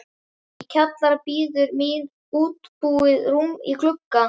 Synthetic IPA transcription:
icʰat̪laɾapiːðʏɾmɪð | uːt̪puːɪðrumḭkʰlʏkːa

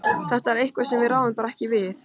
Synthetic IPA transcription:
θɛht̪aɛɾejhkvḁsɛmvɪðɾaːwðʏmpaːɾaɛhcɪvɪθ

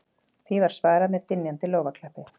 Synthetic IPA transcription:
θivaɾ̥svaːjɾamɛðt̪ɪnːjant̪ɪloːwvakʰlɛhpɪ

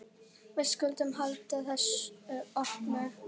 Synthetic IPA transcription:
vɪðskʏlt̪ʏmhalt̪aθɛsːɔhknʏ̥

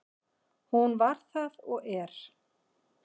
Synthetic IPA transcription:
hunvaɾ̥θaðɔɣɛɾ̥

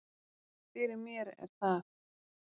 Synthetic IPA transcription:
fɪːɾɪmjɛɾɛ̰ɾ̥θað

